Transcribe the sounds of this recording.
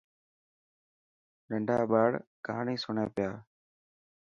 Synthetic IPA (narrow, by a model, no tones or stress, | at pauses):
ɗəɳɖʱaːɓaːɽkəɦaːɳiːsʊɳeːpɪjaː